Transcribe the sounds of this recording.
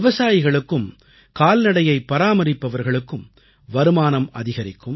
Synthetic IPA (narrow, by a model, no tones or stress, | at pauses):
ʋɐsaːjɪɣɐɭɯkːɯm | kaːlnɐɽɐjɐɪpːɐɾaːmɐɾɪpːɐʋɐɾɣɐɭɯkːɯm | ʋɐɾɯmaːnɐmɐðɪɣɐɾɪkːɯm